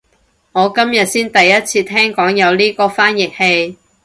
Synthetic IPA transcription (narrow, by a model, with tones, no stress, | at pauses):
ŋɔː˨˧kɐ˥mjɐ˨t̚siː˥nt̪ɐ˨jːɐ˥t̚t͡sʰiː˧t̪ʰɛː˥ŋkɔː˨˥ŋjɐ˨˧wliː˥kɔː˧faː˥njɪ˨k̚he˧j